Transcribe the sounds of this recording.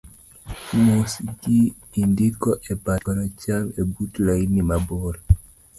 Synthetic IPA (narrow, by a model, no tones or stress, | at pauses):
mosɡi | indikɔʔɛbaɔɾat͡ʃamebutlainimabɔɾɛ